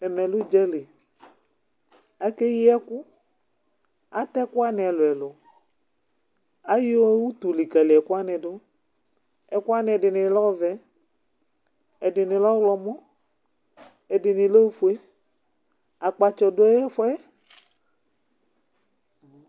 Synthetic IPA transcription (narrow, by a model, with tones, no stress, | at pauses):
ɛ˨mɛ˨lu˦d͡ʒɛ˦le˨ | a˦ke˦ji˦ɛ˦ku˦ | a˨t̪ɛ˦ku˦a˦nɛ˨ɛ˨lo˨ɛ˨lo˨ | a˦jo˦wu˦t̪u˨li˨ka˨li˨ɛ˨ku˦a˦nɛ˨do˦ | ɛ˨ku˦a˦nɛ̃˨ɛ˨ɖɪ˨nɪ˨˦lɔ˦vɛ˦ | ɛ˨dɪ˨nɪ̃˨lɔ˦wlɔ˨mɔ̃˦ | ɛ˨dɪ˨nɪ˨lo˦wfu˨˦e˦ | a˨k͡pa˨t͡ʃɔ˨do˦ɛ˦jɛ˦fɔ˦ɛ˦